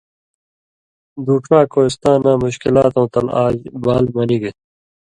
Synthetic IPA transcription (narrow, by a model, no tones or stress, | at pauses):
d̪uːʈɾãːkoːist̪ãːnaːmuɕkilaːt̪õːt̪ɐla̰ːd͡ʑbaːlmɐniɡe